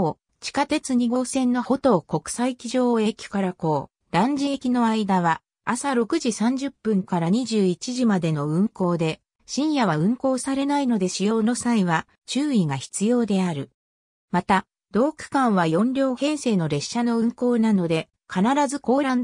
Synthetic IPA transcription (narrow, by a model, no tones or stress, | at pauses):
t͡ɕi̥kat̪e̞t͡sɨɲ̟iɡo̞ːsẽ̞nːo̞ho̞t̪o̞ːko̞kɯ̟̥saikʲiʑo̞ːe̞kʲo̥kaɾako̞ː | d̪̥ãɲ̟d͡ʑiekʲino̞aid̪aβa | asaɾo̞kɯ̟ʑisãɲ̟d͡ʑɨpːɯ̟̃ŋkaɾaɲ̟iʑɨːit͡ɕiʑimad̪e̞no̞ɯ̟̃ŋko̞ːd̪e̞ | ɕĩɰ̃jaβaɯ̟̃ŋko̞ːsaɾe̞naino̞d̪e̞ɕijo̞ːno̞saiβa | t͡ɕɨːiɡaçi̥t͡sɨjo̞ːd̪e̞aɾɯ̟ | mat̪a | d̪̥o̞ːkɯ̥kãɰ̃βajõ̞nɾʲo̞ːhẽ̞ɰ̃se̞ːno̞ɾe̞ɕːano̞ɯ̟̃ŋko̞ːnano̞d̪e̞ | kʰanaɾazɨko̞ːɾãn